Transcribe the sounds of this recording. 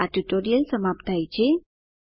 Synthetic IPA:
aɖiʈoɾijəlsəmapt̪ajt͡ɕe

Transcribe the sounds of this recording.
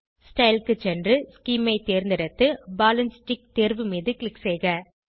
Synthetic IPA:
sʈɐɪlkɯt͡ʃɛndrɯskiːmɐɪt̪eːɾnd̪ɪɽɐt̪ːɯbaːlɐnsʈɪk̚t̪eːɾʋɯmiːðɯklɪksɛɪɣɐ

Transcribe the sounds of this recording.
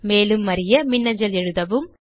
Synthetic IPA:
meːlɯmːɐɾɪjɐmɪnːɐɲd͡ʒɐlɛɻɯðɐʋɯm

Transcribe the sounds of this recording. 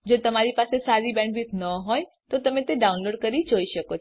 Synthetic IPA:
d͡ʒot̪əmaɾipasesaɾibɛ̃ɳʈʋit̪nəɦoj | t̪ot̪əmẽt̪eɖaunloɖkəɾid͡ʒoiʃəko

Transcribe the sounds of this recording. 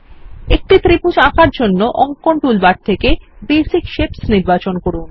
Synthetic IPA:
ek̚ʈit̪ɾipud͡ʑakʰaɾd͡ʑonːoʔɔŋkoɳʈulbaɖ̚t̪ʰekebesikʃepsniɾbat͡ɕonkoɽun

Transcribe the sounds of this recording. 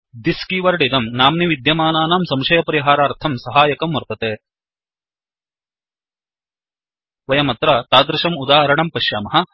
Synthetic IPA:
d̪iskiːʋɐɾɖid̪ɐmnaːmniʋid̪jɐmaːnaːnaːmsɐmʃɐjɐpɐɾiɦaːɾaːɾt̪ʰɐmsɐɦaːjɐkɐmʋɐɾt̪ɐt̪eː | ʋɐjɐmɐt̪ɾat̪aːd̪ɾɪʃɐmud̪aːɦɐɾɐɳɐmpɐʃjaːmɐɦɐ̆

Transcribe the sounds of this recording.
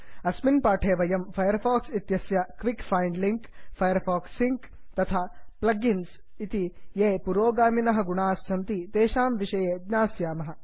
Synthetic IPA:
ɐsminpaːʈʰeːʋɐjɐmfʰɐjɐɾfʰaːksit̪jɐsjɐkʋikfʰajɳɖliŋkfʰɐjɐɾfaːksːiŋk | t̪ɐt̪ʰaːplɐɡins | it̪ijeːpuɾoːɡaːminɐɦɐ̆ɡuɳaːsːɐmt̪it̪eːʃaːmʋiʃɐjeːd̪ɲaːsjaːmɐɦɐ̆

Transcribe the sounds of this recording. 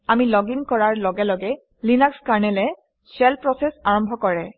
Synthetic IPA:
amilɔɡiŋkɔɹaɹlɔɡɛlɔɡɛ | linakskaɹnɛlɛ | sɛlpɹɔsɛsaɹɔmbʱɔkɔɹɛ

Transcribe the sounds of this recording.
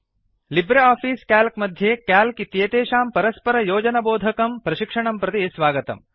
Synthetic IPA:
libɾɐaːpʰiːskaːlkmɐd̪ʱjeːkaːlkit̪jeːt̪eːʃaːmpɐɾɐspɐɾɐjoːd͡ʒɐnɐboːd̪ʱɐkɐmpɾɐʃikʂɐɳɐmpɾɐt̪isʋaːɡɐt̪ɐ̰m

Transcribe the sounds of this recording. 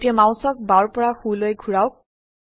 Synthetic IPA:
tijamãw̃sɔk̚baɹpɔɹaxulojkʰuɹawk̚

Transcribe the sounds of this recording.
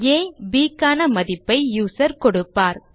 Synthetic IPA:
eːbiːkːaːnɐmɐðɪpːɐɪjuːsɐɾkɔɽɯpːaːɾ

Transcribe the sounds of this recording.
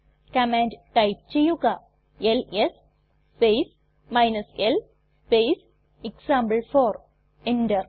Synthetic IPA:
kɐmaːnɖʈɐjp̚t͡ɕejːuɣɐ | eles | spejs | mɐjnɐsel | spejs | iksaːmbɐlfoːɾ | enɖɐr

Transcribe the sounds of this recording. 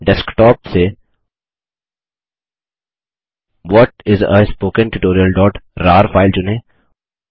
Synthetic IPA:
ɖɛskʈɔːp̚se | ʋɔʈɪzə̰spoːkə̃nʈuʈoːɾiəlɖɔːʈɾaːɾfaːɪld͡ʒʊnẽː

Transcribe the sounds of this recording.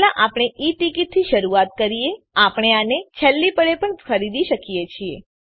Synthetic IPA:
laʔapɽ̃eʔiʈikit̪̚t̪ʰːiʃəɾuat̪̚kəɾie | apəɳ̃eanet͡ʃʰəlːipəɭepəɳkʰəɾid̪iʃəkijet͡ʃʰiḛ

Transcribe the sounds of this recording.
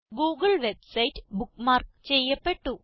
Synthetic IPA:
ɡuːɡɐɭʋebsɐjtːɨ̥bukːmaːrkt͡ɕe̞jːɐpːe̞ʈːu

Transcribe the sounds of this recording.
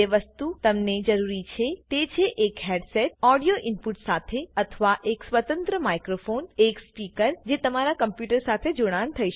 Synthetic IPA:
eʋɐst̪ut̪ɐmned͡ʒɐɾuːɾit͡ɕʰet̪eːt͡ʃʰeʔeːkɦɛːɖsɛːʈ̚ɔːɖijoʔɪnpʊʈsaːt̪ʰeɐt̪ʰəʋaʔeːksʋət̪ə̃nt̪ɾəmaːɪkɾofoːneːkspiːkəɾd͡ʑeːt̪ɐmaːɾakɐ̃mpjuːʈəɾsaːt̪ʰed͡ʒʊɽ̃aːñt̪ʰɐiʃ

